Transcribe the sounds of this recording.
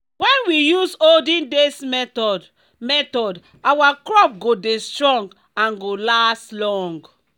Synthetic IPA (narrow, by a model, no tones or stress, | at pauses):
wɛ̃nwijusoldĩndes | mɛtɔd | awakɹɔp̚ɡodestɹɔ̃ŋɡ | ãnɡolaslɔ̃ŋɡ